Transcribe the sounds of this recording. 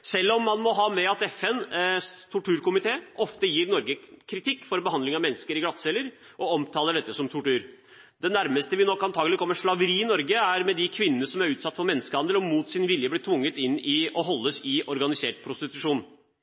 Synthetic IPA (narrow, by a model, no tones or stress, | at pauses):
sɛlːɔmːɑnmɔɦɑːmɛɑt̪ɛfɛnt̪ʰʊʈʉːɾkʊmɪt̪ʰeːʔɔft̪əjiːɾnɔɾɡəkʰɾɪt̪ʰɪkːfɔɾbəhɑnd̪lɪŋɑʋmɛnːəskəɾɪɡlɑt̪sɛləɾ | ʔɔɔmt̪ʰɑːləɖɛt̪ːəsɔmt̪ʰʊʈʉːɾ | d̪ɛnæɾməst̪əʋɪnɔkːɑnt̪ʰɑːɡəlɪkʰɔmːəʂɭɑʋəɾiːɪnɔɾɡəæɾmɛd̪ɪkʰʋɪnːənəsɔmæɾʉːt̪sɑt̪ːfɔɾmɛnːəskəhɑnd̪əlɔmuːt̪sɪnʋɪljəblɪːt̪ʰʋʊŋːət̪ɪnːɪʔɔɦɔlːəsɪʔɔɾɡɑnɪseːʈpʰɾʊst̪ɪt̪ʉʂuːn